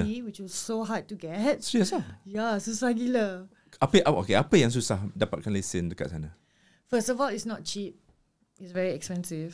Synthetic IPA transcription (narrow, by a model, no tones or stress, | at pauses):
wit͡ʃɔsoɦad̚tːuɡɛt̚siɛsajasusahɡilə | apəʔao̰keʔapəjãŋs̬usahdapat̚kʰãnlesĩnluka̰ʔsanə | fəstɔvɔlitsnɔt̚t͡ʃip̚ | itsvɛɹiɛkspɛ̃nsiv